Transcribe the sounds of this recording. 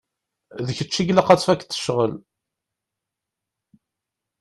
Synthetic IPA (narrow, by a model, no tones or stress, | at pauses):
ðəçət͡ʃːiɡlæqɑt͡sːfækːθə̥ʃʁəl